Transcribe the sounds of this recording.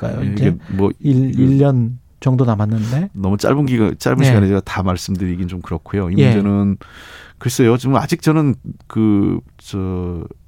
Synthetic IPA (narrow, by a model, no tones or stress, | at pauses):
ka̰jo̰iemwʌiiʎːʌn | t͡ɕʌŋdonamanːɯnde̞nʌmut͡ɕ͈a̰ɭbunɡiɡat͡ɕ͈a̰ɭbunɡiiɡaned͡ʑeɡatamaɭs͈ɯmdɯɾiɡint͡ɕomkɯɾʌkʰojoimund͡ʑe̞nɯnkɯɾes͈ʌjot͡ɕoma̰d͡ʑik̚t͡ɕ͈ʌnɯnkɯ | t͡ɕʌ